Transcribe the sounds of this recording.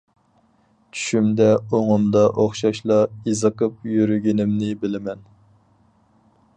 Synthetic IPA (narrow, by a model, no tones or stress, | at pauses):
t͡ʃʰy̥ʃymd̪ɛoŋʊmd̪ɑʔoχʃɑʃlˠɑizɨqəp̚jyɾyɡʲinɪmnɪbɪlɪmɛn